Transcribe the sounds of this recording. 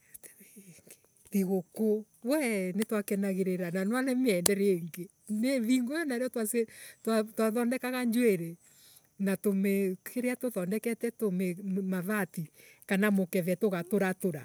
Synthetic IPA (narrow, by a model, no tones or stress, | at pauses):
teŋɡe̥ | ðiɣoko | wɛnetwakɛnaɣeɾeɾananwalɛmeɛndɛɾeeŋɡe | neðiŋɡojɔnaeɾeɔtwasetatwaðɔndɛkaɣaɲd͡ʒweɾe | natomekeɾeatoðɔndɛkɛtɛtomemaðatikanamokɛðɛtoɣatoɾatoɾa